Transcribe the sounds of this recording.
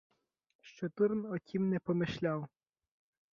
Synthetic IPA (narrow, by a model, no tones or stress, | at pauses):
ʃt͡ʃɔt̪urnɔtʲʰimnɛpɔmɪʃlʲaw